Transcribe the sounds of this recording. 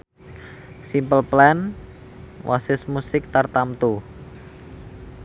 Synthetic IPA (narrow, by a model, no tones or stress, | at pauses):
simpəlplɛn | wʔa̰sɪsmusɪk̚t̪art̪amt̪u